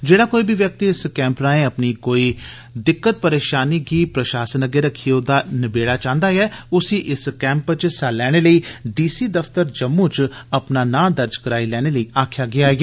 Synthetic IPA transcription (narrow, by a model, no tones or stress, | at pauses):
d͡ʒeːɽaːkoːiːbʱiːʋjək̚t̪iːɪskɛ̃ːmpɾaːẽəpniːkoːiː | d̪ɪkːət̪̚pəɾeːʃaːniːɡiːpɾəʃaːsənəɡeːɾəkʰːiːoːd̪aːnəbeːɽaːt͡ʃãːnd̪aːɛːʊsiːʔɪskɛ̃ːmpt͡ʃsaːlɛːɽ̃eːləiːɖiːsiːd̪əft̪əɾd͡ʒəmːũːt͡ʃəpnaːnãːd̪əɾd͡ʒkəɾaːilɛːɽ̃eːləiːʔaːkʰjaːɡɪaːɦɡeː